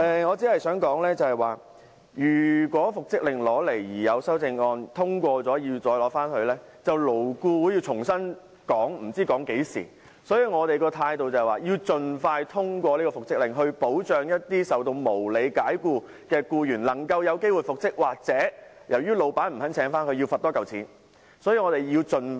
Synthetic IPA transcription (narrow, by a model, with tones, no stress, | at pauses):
ʔɛ˨ŋɔː˨˧t͡si˨˥hɐ˨˩jsœː˨˥ŋkɔː˨˥ŋlɛː˥t͡sɐ˨hɐ˨jwaː˨ | jyː˨˩kʷɔː˨˥fʊ˨k̚t͡sɪ˥k̚lɪ˨ŋlɔː˨˥le˨˩jjiː˨˩jɐ˨˧wsɐ˥wt͡sɪ˧ŋɔː˧nt̪ʰʊ˥ŋkʷɔː˧t͡sɔː˨˥jiː˧wt͡sɔː˧jlɔː˨˥faː˥nhɵ˧ɥlɛː˥ | t͡sɐ˨wlo˨˩wkuː˧wuː˨˥jiː˧t͡sʰʊ˨˩ŋsɐ˥n | kɔː˨˥ŋm̩˨˩t͡siː˥kɔː˨˥ŋke˨˥jsḭː˨˩ | sɔː˨˥jiː˧ŋɔː˨˧t̪e˨jkɔː˧t̪ʰaː˧jt̪o˨wt͡sɐ˨waː˨˩ji˧wt͡ʃɵ˨nfaː˧jt̪ʰʊ˥ŋkʷɔː˧liː˥kɔː˧fʊ˨k̚sɪ˥k̚lɪ˨ŋɦɵ˧ɥpo˨˥wt͡ʃœː˨ŋjɐ˥t̚t̪iː˥sɐ˨wt̪̬o˧wmo˨˩wle˨˧jkaː˨˥jkuː˧ | kɛː˧kuː˧jyː˨˩nlɐ˨˩ŋkɐ˧wjɐ˨˧wke˥jwu˨jfʊ˨k̚sɪ˥k̚waː˨k̚t͡sɛː˨˥ | jɐ˨˩wjyː˥lo˨˧wpaː˨˥nm̩˨˩sɐ˨˥nt͡sʰɛː˨˥ŋfaː˥nkʰɵ˧ji˧wfɐ˨t̪ɔː˥kɐ˨wt͡sʰiː˨˥n | sɔː˨˥jiː˧ŋɔː˨˧t̪e˨jji˧wt͡sɵ˨n